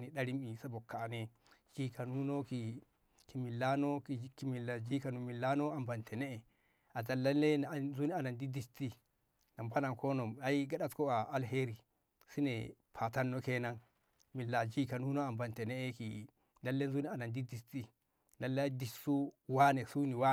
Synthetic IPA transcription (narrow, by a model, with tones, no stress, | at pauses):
ni˨ɗa˦ɾi˦mi˨sa˦bɔ˨kːa˨nɛ˦ | d͡ʒi˦ka˨nu˦no˦ki˨ | ki˨mi˨lːa˦nɔ˦kki˨mi˨lːa˨d͡ʒi˦ka˨nu˨mi˨lːa˦no˦a˨mba˨ntʰɛ˨nɛ˦ɛ˨ | a˨za˨lːa˦lːe˦n˨nzu˦ni˦a˨na˨ndi˦di˨sti˦ | na˨mpa˦na˨nkʰɔ˦nɔ˨ma˨˦ji˦ɡa˦ɗa˦tkɔ˦a˨a˨lɦe˦ɾi˨ | si˦nɛ̰˨pʰa˨ta˦nːo˦ke˦na˦n | mi˨lːa˨d͡ʒi˦ka˨nu˦no˦a˨mba˨ntɛ˨nɛ˦ɛ˦ki˨ | da˦lːe˦nzu˦ni˦a˨na˨ndi˦di˨sti˦ | na˨lːa˦di˨ʃsu˦wa˦ne˨su˦ni˨wa˦